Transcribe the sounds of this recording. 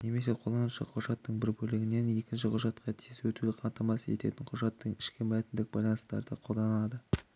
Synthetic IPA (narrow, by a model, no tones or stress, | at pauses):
ne̞me̞se̞qʰo̞lˠɑnəʃɑ̰qʰʊʒɑt̪ːəɴbɪɾbɵlɪɡʲɪne̞ne̞kʲɪnʃɪqʰʊʒɑt̪qʰɑt̪ʰijswɵt̪ud̪ɪqʰɑnt̪ɑmɑset̪e̞̰t̪ɪɴqʰʊʒɑt̪ːəɴɪʃkʲɪmæt̪ɪnd̪ɪk̚bɑ̰jlˠɑnəst̪ɑ̰ɾd̪əqʰo̞lˠd̪ɑnɑd̪ə